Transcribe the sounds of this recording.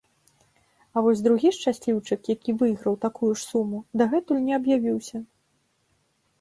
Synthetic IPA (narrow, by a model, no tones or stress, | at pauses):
ɐvɔzʲd̪ɾuɣʲiʂt͡ʂasʲlʲiwt͡ʂɨkjakʲivɨjɣɾɐwt̪akujuʂsumud̪ɐɣɛt̪ulʲnʲɛɐbjavʲiwsʲɐ